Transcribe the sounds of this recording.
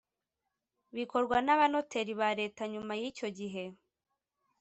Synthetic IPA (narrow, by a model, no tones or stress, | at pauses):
βiko̞ɾɡwanaβano̞te̞ɾiβaɾe̞taɲumajico̞ɟiɦe̞